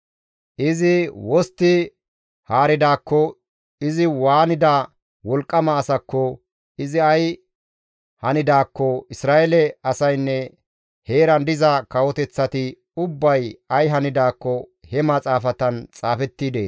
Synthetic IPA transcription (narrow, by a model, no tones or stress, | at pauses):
ʔɪzɪwɔst̪ːɪ | haːɾɪd̪aːkːɔ | ɪzɪwaːnɪd̪aː | wɔlkʼːɐmɐːsɐkːɔ | ɪzɪɐj | hɐnɪd̪aːkːɔɪsɾaːʔɛlɛɐsɐjnːɛ | he̞ːɾɐnd̪ɪzɐkɐwɔt̪ɛt͡sːɐt̪ɪ | ʊbːɐjɐjɦɐnɪd̪aːkːɔ | hɛmɐt͡sʼaːfɐt̪ɐnt͡sʼaːfɛt̪ːiːd̪ḛː